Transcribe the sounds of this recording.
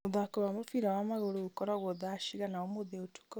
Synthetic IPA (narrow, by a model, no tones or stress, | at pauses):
uðakoβamofiɾawamaɣoɾoɣukɔɾaɣwɔðaʃiɣanaomoðeotʰu̥kɔ